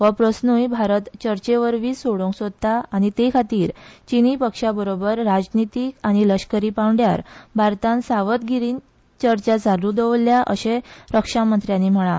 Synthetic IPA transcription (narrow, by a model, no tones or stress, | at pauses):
ʋəpɾəsnujbʱaɾət̪t͡ɕəɾt͡ɕeʋəɾʋiːsoɽõŋksod̪̚t̪aaɽ̃it̪ekʰat̪iːɾt͡ɕinipəkʂabəɾobəɾːad͡znit̪iːkaɽ̃iləɕkəɾiːpãwɳɖjaɾbʱaɾt̪ãnsaʋət̪ɡʱiɾiːn | t͡ɕəɾt͡ɕad͡zʱalud̪əʋlːjaʔə̰ɕeɾəkʂamənt̪ɾjãnim̤əɭa